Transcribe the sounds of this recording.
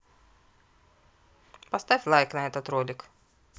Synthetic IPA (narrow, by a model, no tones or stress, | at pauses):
pɐst̪afʲlˠajknɐɛt̪ɐt̪ɾolʲɪk